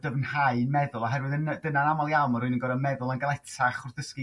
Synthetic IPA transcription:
d̥əvənhaɨnmɛðʊlˠaɦɛrwɨðənəd̥ənanamalˠjawmɔrʊɨnənɡɔɾənmɛðʊlˠənɡalˠɛtʰaχʊrðəski

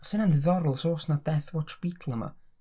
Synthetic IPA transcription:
sənanðəðɔɾlˠsoːsnad̥ɛθwɔtʰb̥itʰl̩ˠəma̰

